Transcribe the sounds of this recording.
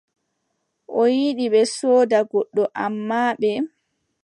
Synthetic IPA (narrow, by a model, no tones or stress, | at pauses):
ʔɔjiɗiɓɛsɔːdaɡɔɗːɔʔamːaːɓɛ